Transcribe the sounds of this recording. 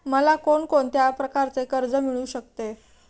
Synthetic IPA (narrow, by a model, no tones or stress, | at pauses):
məlakoɳkoɳt̪japɾəkaɾt͡sekəɾd͡zəmiɭuːɕək̚t̪e